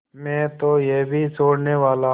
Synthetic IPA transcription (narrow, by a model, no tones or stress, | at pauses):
mɛ̃ːt̪ojeːbʱisoːɽneʋaːla